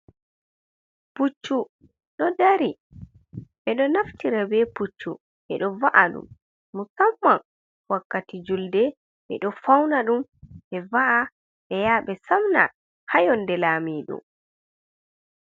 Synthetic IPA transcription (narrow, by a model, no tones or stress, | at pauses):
put͡ʃːu | ɗɔdaɾi | ɓɛɗɔnaftiɾabɛput͡ʃːu | ʔɛ̰ɗɔvaʔaɗṵmː | usamːan | wakːatid͡ʒuldɛ | ɓɛ̰ɗɔfawnaɗumʔɛvaʔa | ɓɛjaːɓɛsamna̰ | hajɔndɛlaːmiːɗɔ̰